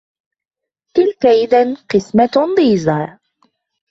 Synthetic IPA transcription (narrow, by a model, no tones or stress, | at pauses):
t̪ɪlkaʔɪðanqɨsmad̪ˤiːzaː